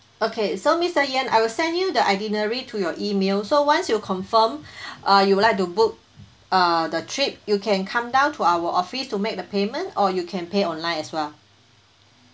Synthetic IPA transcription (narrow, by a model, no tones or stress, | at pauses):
ʔokʰesomistəjɛ̃na̰jwilsɛ̃ndjudəʔadinəɹitʰujɔʔimelsowãnsjukʰɔ̃nfə̃mʔʌjuwulaɪk̚tubuk̚ | ʌdətʰɹip̚jukʰɛ̃nkʰãmdãʊ̃ntʰuawəʔɔfistumek̚dəpemə̃ntɔjukʰɛ̃npeɔ̃nlãɪ̃nɛswɛl